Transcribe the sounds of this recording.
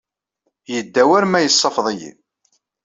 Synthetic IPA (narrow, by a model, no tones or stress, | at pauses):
jəd̪ːæwæɾmæjəsˤːɑfðˤijḭ